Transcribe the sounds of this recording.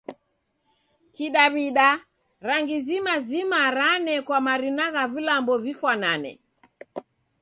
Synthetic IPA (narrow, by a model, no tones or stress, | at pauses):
kiɗaβiɗa | ɾaŋɡizimazimaɾanɛkwamaɾinaɣavilambɔvifwananɛ̰